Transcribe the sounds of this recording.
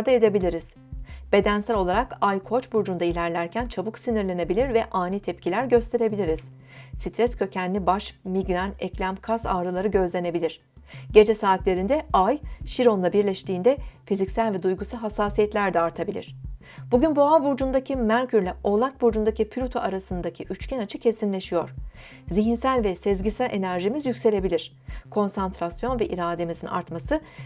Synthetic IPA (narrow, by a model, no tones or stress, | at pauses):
ɾd̪ae̞d̪e̞bilʲiɾiz̥ | b̥e̞d̪ænsælʲo̞lˠaɾakajkʰo̞t͡ʃbuɾd͡ʒund̪ailʲæɾlʲæɾcʰænt͡ʃʰabuksiniɾlʲe̞ne̞bilʲiɾvɛʔaːnit̪ʰɛpcʰilʲæɾɟø̞st̪ʰe̞ɾe̞bilʲiɾiz̥ | sit̪ʰɾɛscʰø̞cʰænnlʲibaʃmiɡɾanɛclʲæmkʰasaːɾɯlˠaɾɯɟø̞zlʲe̞ne̞bilʲiɾ̥ | ɟe̞d͡ʒɛsaːt̪lʲe̞ɾind̪ɛajʃiɾo̞nlˠabiɾlʲɛʃt̪ʰiːnd̪ɛfizicsælʲvɛd̪ujɡusalˠɦasːaːsijɛt̪lʲæɾd̪ɛaɾt̪ʰabilʲḭɾ̥ | b̥uɟynboabuɾd͡ʒund̪acʰimæɾʲcʰyɾlʲɛo̞lˠakbuɾd͡ʒund̪acipʰlʲut̪ʰoʔaɾasɯnd̪acʰiʔyt͡ʃcʰɛnat͡ʃʰɯcʰe̞sinlʲeʃijo̞ɾ̥ | ziɦinsælʲvɛsezɟisælʲʔe̞næɾʒimizjycʲse̞lʲe̞bilʲiɾ̥ | kʰo̞nsant̪ɾasjo̞nvɛʔiɾaːd̪e̞mizina̰ɾt̪masɯ